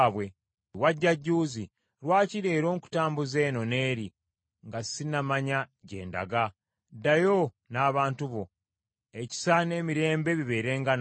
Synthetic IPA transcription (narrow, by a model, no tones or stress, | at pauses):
βwe | waɟːaɟːuːzi | ɾwaːciɾe̞ːɾo̞ːŋku̥taːmbuze̞ːno̞ne̞ːɾi | ŋɡasinamaɲaɟe̞̰ːnda̰ɡa | dajo̞ | naːβaːntuβo̞ | eci̥sane̞ːmiɾe̞ːmbe̞βiβe̞ːɾe̞ːŋɡan